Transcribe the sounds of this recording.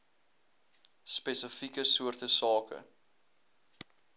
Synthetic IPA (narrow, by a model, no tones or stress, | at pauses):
spɛsəfikəsuərtəsɑːkə̰